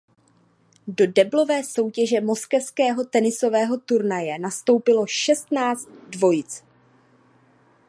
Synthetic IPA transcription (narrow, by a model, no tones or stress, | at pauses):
do̞dɛblo̞vɛːso̞wcɛʒɛmo̞skɛfskɛːɦo̞t̪ɛnɪso̞vɛːɦo̞t̪uɾnajɛnast̪o̞wpɪlo̞ʃɛst̪naːt͡st̪̚dvo̞jɪt͡s